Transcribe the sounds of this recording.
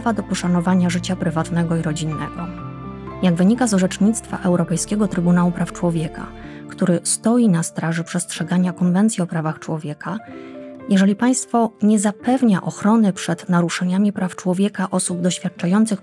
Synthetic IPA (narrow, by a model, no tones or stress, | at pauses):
vad̪ɔpɔʂanɔvaɲaʐɘt͡ɕapɾɘvat̪nɛɡɔiɾɔd͡ʑinːɛ̰ɡɔ | jaɡvɘɲikazʐɛt͡ʂɲit̪st̪fa̰ʔɛwɾɔpɛjskʲɛɡɔt̪ɾɘbunawupɾaft͡ʂwɔvʲjɛka̰ | kt̪uɾɘst̪ɔjinast̪ɾaʐɛpʂɛstʂɛɡaɲakɔnvɛnt̪sjiɔpɾavaxt͡ʂwɔvʲjɛka | jɛʐɛlʲipaj̃st̪fɔɲɛzapɛvɲaʔɔxɾɔnɘpʂɛd̪naɾuʂaɲamʲipɾaft͡ʂwɔvʲjɛkaʔɔsubd̪ɔɕfʲjat̪̚t͡ʂajɔnt̪sɘx